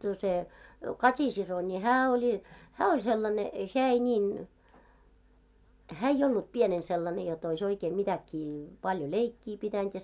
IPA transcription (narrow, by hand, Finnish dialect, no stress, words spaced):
no se kɑtʲisiso nʲi hæː olʲi hæː olʲ selːɑne heæ ei nʲiːn hæː eij olːup pienen selːɑne jot ois oikeː mitækːiː pɑljo leikːiː pitænt